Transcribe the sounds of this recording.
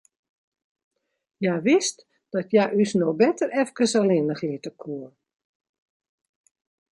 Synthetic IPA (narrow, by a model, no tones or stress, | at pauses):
jajʋɪst | d̥ɔtjajʔysnobɛtərʔɛfkəsalɪnəχɪtəkʰuə